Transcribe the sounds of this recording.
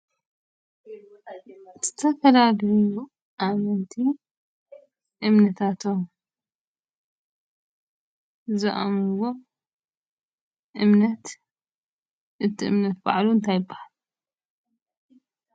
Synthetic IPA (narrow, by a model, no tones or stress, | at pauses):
z̥ɨ̥t̪ʰɐfɐlaɡju | ʔamɨnt̪ʰi | ʔɨmnɐt̪ʰat̪ʰom | zɨʔa̰mwo | ʔɨmnɐt̪ | ʔɨt̪ʰːiʔɨmnɐt̪̚ba̰ʕluɨnt̪ʰajɪbːahal